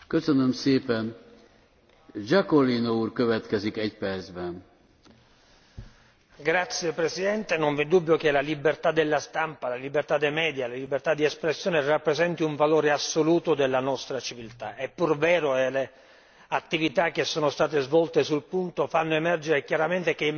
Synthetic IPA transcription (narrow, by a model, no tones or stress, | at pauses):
køsønømseːpɛn | d͡ʒakolinouːrkøvɛt̪kɛzikɛcpɛrd̪zbɛn | ɡɾat̪sːjepɾesid̪ɛnt̪enoɱvid̪ubːjok̟elalibert̪ad̪ːelːast̪ampalalibert̪ad̪ːemɛːd̪jalalibːert̪ad̪ːiɛspɾesːjoːnerapːɾezɛnt̪iuɱvaloːɾeasːoluːt̪od̪elːanɔst̪ɾat͡ʃivilt̪aɛpːurvɛːɾoele | at̪ːivit̪ak̟ːesːoːnost̪aːt̪ezvɔlt̪esulpunt̪ofanːoemɛrd͡ʒeɾekjaɾament̪ek̟e